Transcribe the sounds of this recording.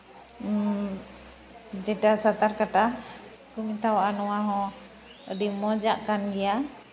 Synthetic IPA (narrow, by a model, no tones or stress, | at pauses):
d͡ʒɛʈasat̪aɾkaʈa | kumit̪awaʔanɔwaɦɔ̃ | əɖimɔd͡ʒaʔkanɡɛja